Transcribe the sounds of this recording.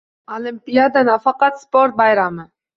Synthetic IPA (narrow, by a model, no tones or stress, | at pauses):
olɪmpijad̪anafɑqɑt̪spoɾt̪̚bɑjɾamə